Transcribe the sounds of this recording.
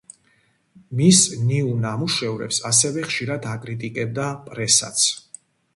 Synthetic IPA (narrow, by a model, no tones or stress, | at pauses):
misniunamuʃɛvɾɛ̰psasɛvɛχʃiɾad̪akʼɾit̪ʼikʼɛb̚d̪apʼɾɛsa̰t̪sʰ